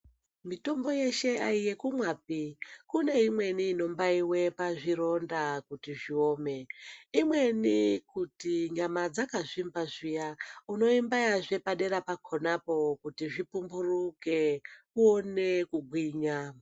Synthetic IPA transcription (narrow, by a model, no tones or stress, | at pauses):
mito̞mbo̞je̞ʃe̞aije̞kumwap̚ikune̞imwe̞niːno̞mbaiwe̞paʐiɾo̞ndakutiʐio̞ːme̞imwe̞nikutiɲamad͡zakaʐimbaʐijauno̞imbajaʐepaɗe̞ɾapakʰonapo̞kutiʐipumburukekuone̞kuɡʱwiːɲa